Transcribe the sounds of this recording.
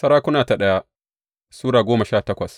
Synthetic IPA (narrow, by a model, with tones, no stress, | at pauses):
sɐ˦ɾaː˦kʷʊ˦naː˨ta˨ɗɐ˦ja˦ | suː˦ɽaː˨ɡʷoː˦mɐ˨ʃaː˦˨tɐ˦kʷɐ˨s